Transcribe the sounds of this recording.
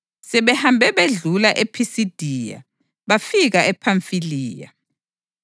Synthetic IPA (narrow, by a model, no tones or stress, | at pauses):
sɛβɛhambʱɛβeɮulaʔepʰisid̥ʱija̰ | βafiɣaɛpʰaɱfiliːja̰